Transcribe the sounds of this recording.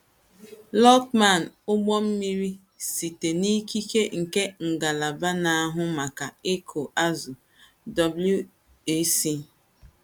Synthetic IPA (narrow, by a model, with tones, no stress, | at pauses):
lɔ˦tma˨n˨ʊ˦ɡ͡bɔ˦m̩˦mi˦ɾi˦ | si˨te˨ni˦ki˦ke˦ŋ̩˨ke˦ŋ̩˨ɡa˨la˨ba˦na˨a˦ɦʊ˦ma˨ka˨e˦kʰo˨ʔa˦zʊ˨ | dɔ˨blu˦ | e˦si˦